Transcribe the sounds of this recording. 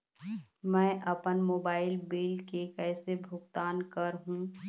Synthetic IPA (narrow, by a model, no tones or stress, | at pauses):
mɛ̃ːʔɐpənmoːbaːɪlbeːlkekɛːsebʱʊɡt̪aːnkəɾɦũː